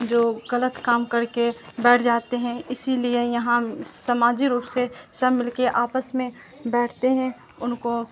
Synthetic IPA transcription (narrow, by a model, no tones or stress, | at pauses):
d͡ʒoːɣɐlət̪kaːmkɐɾkebɛːʈʰd͡ʒaːt̪eɦɛ̃ɪsiliejɐɦãsɐmaːd͡ʒiɾuːpsesɐmɪlkeʔaːpəsmẽ | bɛːʈʰt̪eɦɛ̃ | ʊnko